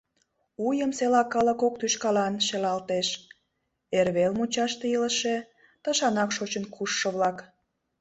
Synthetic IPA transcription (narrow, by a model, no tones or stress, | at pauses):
ujəmselɑkːɑlə̆kok̚t̪yʃkɑlɑnʃelɑlt̪eʃ | erβelmut͡ɕɑʃt̪eiləʃe | t̪ɑʃɑnɑkʃot͡ɕənkʰuʃːə̆βlɑk